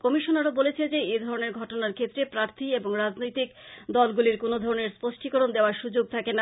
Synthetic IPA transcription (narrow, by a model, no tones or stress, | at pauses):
kɔmiʃonaɾabolet͡ɕʰed͡ʑeed̪ʱɔɾoneɾɡʱɔʈonaɾkʰet̪ːɾepɾaɾt̪ʰieboŋɾad͡ʑnojt̪ikd̪ɔlɡuliɾkonod̪ʱɔɾoneɾspoʃʈikoɾond̪eoaɾʃud͡ʑoɡ̚t̪ʰakena